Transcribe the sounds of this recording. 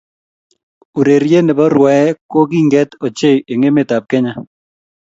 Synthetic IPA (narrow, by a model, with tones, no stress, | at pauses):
u˨ɾe˨ɾje˦ne˨bɔ˦ɾwa˨ɛ˦ko˦ɡi˦ŋɡɛ˦t̪o˨t͡ʃe˦˨je˨ŋe˦me˦˨ta˨p̚kɛ˦ɲa˦